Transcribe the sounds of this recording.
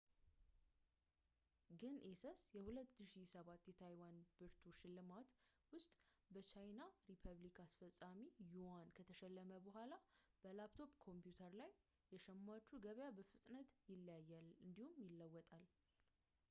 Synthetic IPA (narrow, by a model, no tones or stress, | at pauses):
ɡɨnʔesəsjɛhulət̪ːɨʃisəβat̪ːjɛt̪ʰajwanb̥ɨɾt̪ʰoʃɪlːɨmat̪wʊst̪ʼbət͡ʃajnaɾipʰəβlikasfəsʼːamijuankʰət̪ʰəʃɛlːəməbəɦʷalab̥əlapt̪ʰo̞pkʰo̞mpjut̪ʰəɾlajː | ɛʃɛmːat͡ʃːuɡəβjabəfɨt̪ʼnət̪jɪlːjajːalɨnd̪ihumjɪlːəwːɔt̪ʼal